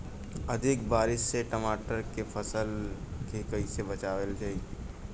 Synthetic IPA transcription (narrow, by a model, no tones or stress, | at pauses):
ɐd̪ʱɪkbaːɾɪʃseʈəmaːʈəɾkefʰɐsəlkekɐisebɐt͡ʃaːʋəld͡ʒaːi